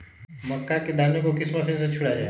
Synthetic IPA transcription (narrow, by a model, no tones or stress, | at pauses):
məkːaked̪anekokɪsmasẽnsẽt͡ʃʰʊɽad͡ʒa̰e